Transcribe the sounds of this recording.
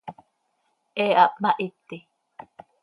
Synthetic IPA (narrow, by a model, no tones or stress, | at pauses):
ʔeap̚maʔit̪ːi